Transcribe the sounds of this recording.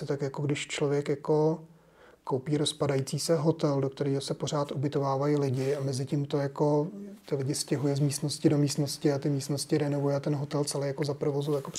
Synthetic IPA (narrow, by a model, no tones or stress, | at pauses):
ɪt̪akjako̞ɡdɪʃt͡ʃlo̞vjɛkjako̞ | kowpiːɾo̞spadajit͡siːsɛɦo̞t̪ɛldo̞k̚t̪ɛɾiːɦosɛpor̝aːt̪ʔubɪt̪o̞vaːvajilɪɟɪamɛzɪciːmt̪ojako̞t̪ɪlɪɟɪscɛɦujɛzmiːst̪no̞scɪdo̞miːst̪no̞scɪat̪ɪmiːst̪noscɪɾɛno̞vujɛat̪ɛnɦo̞t̪ɛlt͡sɛlɛjako̞zapɾovozujakop